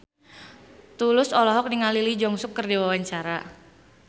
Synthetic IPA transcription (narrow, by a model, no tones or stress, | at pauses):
t̪ulʊsɔlɔɦɔk̚niŋalilid͡ʒɔŋsʊkːərdiwawaɲt͡ʃaɾa